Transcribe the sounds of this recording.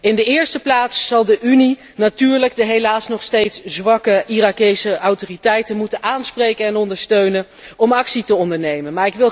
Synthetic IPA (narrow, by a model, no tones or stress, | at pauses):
ɪndəɪːɹstəplaːtsːɑlˠdəʔyni | natyːɹləɡ̚dəɦejlaːsnɔχstejtszʋɑkəʔirakejsəʔɑwtoritɛjtənmutənʔaːnsprejkənɛnɔndəɹstøɥnən | ɔmɑksitəɔndəɹnejmənmaːɹɪkʋɪlˠ